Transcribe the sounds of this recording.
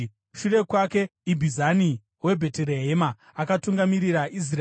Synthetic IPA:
ʃure̞kwake̞ibʱizani | we̞bʱe̞teɾe̞ɦe̞ma | akatuŋɡamiɾiraʔis̬ra

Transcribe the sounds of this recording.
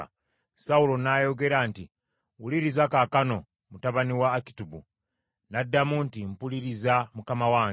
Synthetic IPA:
saulo̞najo̞ɡe̞ɾanti | wuliɾizakakano̞ | mutaβaniwaːki̥tubu | nadːamuntimpuliɾizamukamawaːŋ

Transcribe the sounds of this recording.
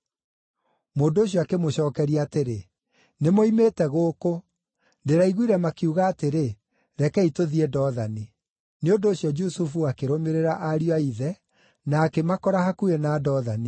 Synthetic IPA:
moːndooɕ̬iɔakemoɕɔːkɛɾiaateɾe | nemoimeːtɛɣoːko | ndeɾaiɣwiɾɛmakiuɣaːteɾe | ɾɛkɛitoðiɛdɔːðani | neondoːɕjɔd͡ʒusufuakeɾomeɾeɾaʔaɾijwaiðɛ | naːkemakɔɾahakuenaːdɔːðani

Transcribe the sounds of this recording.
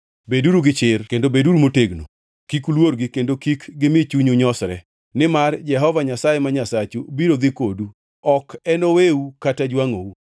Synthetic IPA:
beduɾuɡɪt͡ʃɪrkendobeduɾumoteɡno̰ | kikulwoɾɡɪkendokikɡɪmɪt͡ʃuɲuɲɔsɾɛ | nɪmard͡ʒɛɦɔvaɲasajɛmaɲasat͡ʃubiɾod̪ɪkodu | ɔkɛnoweukatad͡ʒwaŋou

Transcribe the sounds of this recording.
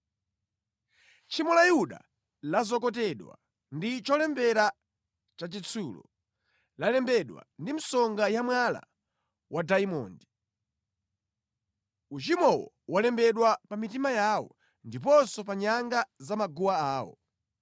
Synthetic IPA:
t͡ʃʰimɔlajuɗa̰ | lazɔkɔtɛɗwa̰ | ndit͡ʃɔlɛmbɛɾa | t͡ʃat͡ʃit͡sʰulɔ̰ | lalɛmbɛɗwa̰ndim̩sɔŋɡajamwala̰ | wadaimɔ̰ndi | ut͡ʃimɔwɔ̰ | walɛmbɛɗwapamitimajaːwɔ̰ | ndip̬ɔnsɔpaɲaŋɡazamaɡuwaaːwɔ̰

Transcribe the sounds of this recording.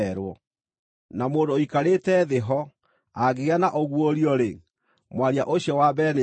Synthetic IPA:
ɛɾwɔ | namoːndoikaɾetɛðeɦɔ | aɣeɣanaʔoɣwoɾiɔɾe | mwaɾiaʔoɕjɔwabɛne

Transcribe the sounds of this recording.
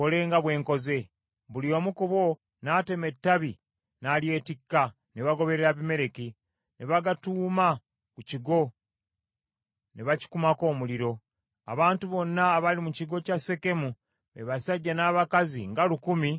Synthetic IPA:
ko̞le̞ːŋɡaβwe̞ːŋko̞ze̞ | βulio̞ːmukuβo̞ | naːte̞me̞tːaβi | nalje̞ːtikːa | neβaɡo̞βe̞ɾeɾaβime̞ɾe̞ki | neβaɡatuːma | kuciɡo̞ | neβaci̥kumako̞ːmuliɾo̞ | a̰βaːntuβo̞nːaːβalimuciɡo̞case̞ke̞mu | eβasaɟːanaːβakaziŋɡalukumi

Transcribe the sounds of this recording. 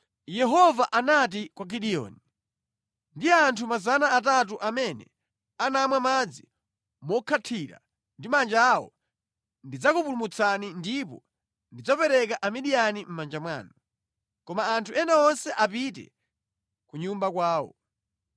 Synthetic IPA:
jɛɦɔvaʔanat̬ikwaɡiɗiɔ̰ːni | ndiantʰumazanaːt̬at̬uʔamɛnɛ̰ | anamwamad͡zi | mɔkʰatʰiɾa̰ | ndimand͡ʒawɔ̰ | ndid͡zakupulumut͡sʰanindipɔ | ndid͡zɔpɛɾɛkaʔamiɗijanim̩mand͡ʒamwa̰ːnɔ | kɔmaːntʰuɛnaɔnsɛʔapitɛ̰ | kuɲumbakwaːwɔ̰

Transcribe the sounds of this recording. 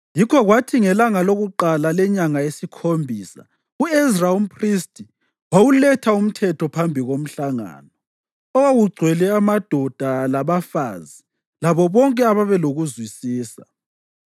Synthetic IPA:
jikʰɔɣwatʰiŋɛlaŋaloɣuǃalalɛɲaŋaesikʰombʱiːsa̰ | uɛzraumpʰristʰʼi | wowulɛtʰaum̩tʰɛtʰɔpʰambʱiɣom̩ɬaŋa̰ːnɔ | ɔwawuɡ͡ǀʱwɛlɛamad̥ʱɔd̥ʱalaβafazi | laβɔβɔŋkʼɛaβaβɛloɣuzwisiːsa

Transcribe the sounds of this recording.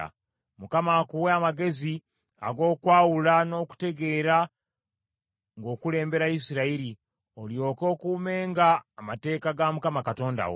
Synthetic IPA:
a̰ | mukamakuweamaɡe̞zi | a̰ɡo̞ːkwaːwulano̞ːku̥te̞ɡe̞ːɾa | ŋɡo̞ːkule̞ːmbe̞ɾaisiɾaiɾi | oljo̞ːko̞ːkuːme̞ːŋɡaːmate̞ːkaɡamukamakato̞ːnda̰wo̰

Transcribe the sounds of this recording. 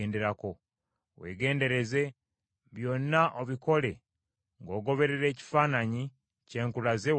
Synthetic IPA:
nde̞ɾako̞ | we̞̰ːɡe̞ːnde̞ɾe̞ze̞ | βjo̞nːaʔoβiko̞le̞ | ŋɡo̞ːɡo̞βe̞ɾeɾe̞ːci̥faːnaɲi | ce̞ːŋkulazew

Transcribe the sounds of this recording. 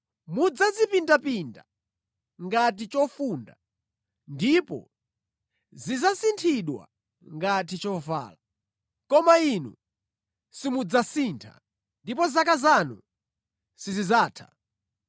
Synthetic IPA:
mud͡zazipindapinda | ŋɡat̬it͡ʃɔfunda̰ | ndipɔ̰ | zizasintʰiɗwa̰ | ŋɡat̬it͡ʃɔva̰ːla | kɔmainṵ | simud͡zasintʰa̰ | ndipɔzakazanu | sizizaːtʰḁ̰

